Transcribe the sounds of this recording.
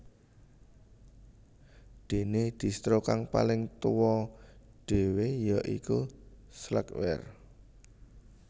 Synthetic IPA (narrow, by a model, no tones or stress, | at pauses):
ɖ̪̥e̤ned̪̥i̤st̪ɾokaŋpa̰lɪŋt̪uwɔ | ɖ̥e̤wejaʔḭkuslə̰kwɛ̰r